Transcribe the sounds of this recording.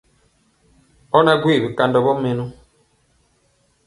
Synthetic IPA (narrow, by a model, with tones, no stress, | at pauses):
ɔ˦na˦ɡwi˦˨βi˨ka˨ndɔ˨βɔ˦me˨nu˦